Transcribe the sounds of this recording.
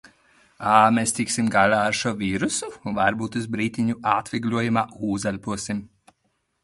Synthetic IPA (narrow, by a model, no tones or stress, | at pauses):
aːmest̪iksimɡalʲaːaɾʃuɔvʲiːɾusuvaɾbuːt̪uzbɾiːt̪ʲiɲuʔaːt̪vʲiɡlʲuɔjumaːuːzalʲpuɔsim